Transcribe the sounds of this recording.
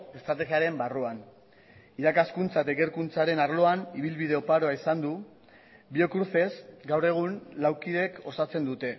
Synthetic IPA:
e̞st̪ɾat̪e̞ɣiaɾe̞mbaruan | iɾakaskunt͡saet̪aeke̞ɾkunt͡saɾe̞naɾlo̞aniβ̞ilβið̞e̞opaɾo̞aisand̪u | bio̞kɾuɾθe̞zɡawre̞ɣ̞unlawkiðe̞ko̞sat͡se̞nd̪ut̪e̞

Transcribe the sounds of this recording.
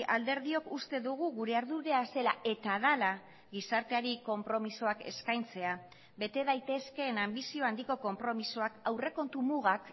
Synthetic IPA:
ʔald̪e̞ɾðio̞kust̪e̞ðuɣ̞uɣuɾe̞aɾðuɾe̞ase̞lae̞t̪aðala | ɣisaɾt̪eaɾiko̞mpɾo̞misoake̞̰skajnt͡se̞a | βe̞t̪e̞ðajt̪e̞ske̞ːnambisio̞and̪iko̞ko̞mpɾo̞misoakawre̞ko̞nt̪umuɣ̞ak

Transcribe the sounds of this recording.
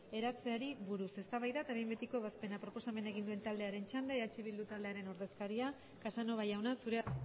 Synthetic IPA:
e̞ɾat͡se̞aɾiβuɾuse̞st̪aβajðat̪aβejmbe̞t̪iko̞βaspe̞napɾo̞po̞same̞nae̞ɣ̞ind̪ue̞nt̪ald̪e̞aɾe̞nt͡ʃand̪eat͡ʃiβild̪ut̪ald̪eaɾe̞no̞ɾðe̞skaɾia | kasano̞β̞ajawnasuɾe

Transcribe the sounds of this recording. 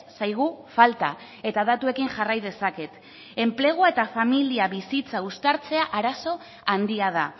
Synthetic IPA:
sajɣ̞ufalt̪a̰ | e̞t̪aðat̪ue̞kiŋʝarajðe̞sake̞t̪ | e̞mple̞ɣ̞uae̞t̪afamiliaβisit͡saust̪aɾt͡se̞aʔaɾaso̞ | and̪iað̞a

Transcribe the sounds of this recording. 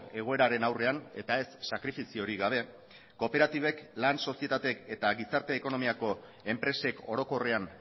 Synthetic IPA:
e̞ɣ̞o̞e̞ɾaɾe̞nawre̞ane̞t̪ae̞sːakɾifisio̞ɾiɣaβ̞e̞ | ko̞pe̞ɾat̪iβ̞e̞klanso̞sie̞t̪at̪e̞ke̞t̪aɣisaɾt̪e̞ːko̞no̞miako̞ | e̞mpɾe̞se̞ko̞ɾo̞ko̞re̞an

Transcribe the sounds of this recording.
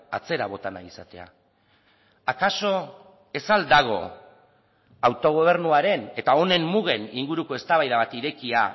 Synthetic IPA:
a̰t͡se̞ɾaβo̞t̪ana̰isat̪e̞a̰ | akaso̞ | e̞sald̪aɣ̞o̞̰ | awt̪o̞ɣ̞o̞β̞e̞ɾnuaɾe̞ne̞t̪ao̞ne̞mːuɣ̞e̞niŋɡuɾuko̞e̞st̪aβajðaβat̪iɾe̞kia

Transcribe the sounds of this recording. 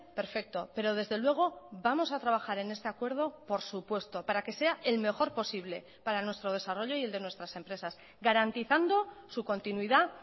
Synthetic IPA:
pe̞ɾfe̞k̚t̪o̞pe̞ɾo̞ð̞e̞zðe̞lwe̞ɣ̞o̞bamo̞sat̪ɾaβ̞axaɾe̞ne̞st̪e̞akwe̞ɾð̞o̞po̞ɾsupwe̞st̪o̞paɾake̞se̞ae̞lme̞xo̞ɾpo̞siβ̞le̞ | paɾanwe̞st̪ɾo̞ð̞e̞saro̞ʎo̞ield̪e̞nwe̞st̪ɾase̞mpɾe̞sas | ɡaɾant̪iθand̪o̞suko̞nt̪inwiða

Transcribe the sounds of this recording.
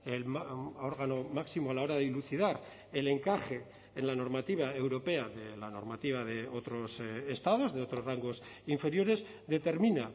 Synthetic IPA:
elmoɾɣano̞maksimoalao̞ɾaðeluθiðaɾ | e̞le̞ŋkaχe̞ː | nlano̞ɾmat̪iβ̞ae̞wɾo̞pe̞aðe̞lano̞̰ɾmat̪iβ̞aðe̞o̞t̪ɾo̞sest̪að̞o̞zðe̞o̞t̪ɾo̞sraŋɡo̞siɱfe̞ɾjo̞ɾe̞z | ðe̞t̪e̞ɾmina

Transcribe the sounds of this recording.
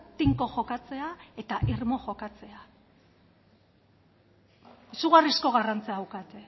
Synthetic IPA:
t̪iŋko̞ʝo̞kat͡se̞ae̞t̪aʔirmo̞ʝo̞kat͡se̞a | esuɣarisko̞ɣarant͡seawkat̪e

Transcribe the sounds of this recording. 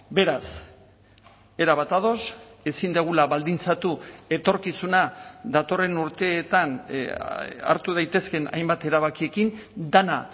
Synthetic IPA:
be̞ɾas | e̞ɾaβat̪að̞o̞se̞sind̪eɣ̞ulaβald̪int͡sat̪ue̞t̪o̞ɾkisunad̪at̪o̞re̞nuɾt̪e̞ːt̪an | a̰ɾt̪uð̞ajt̪e̞ske̞na̰jmbat̪e̞ɾaβakie̞kind̪ana

